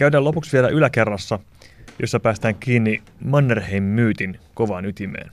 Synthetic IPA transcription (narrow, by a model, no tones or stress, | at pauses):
kæydæːlo̞puksʋielæʔylæke̞rːɑsːɑ | josːɑpæːst̪æːŋkiːnːi | mɑnːerhejmːyːt̪inkoʋɑːnyt̪imḛːn